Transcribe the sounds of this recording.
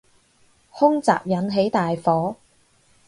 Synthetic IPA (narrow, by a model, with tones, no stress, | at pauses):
hʊ˥ŋt͡sa̰ː˨p̚jɐ˨˥nɦe˨˥jt̪aː˨jfɔː˨˥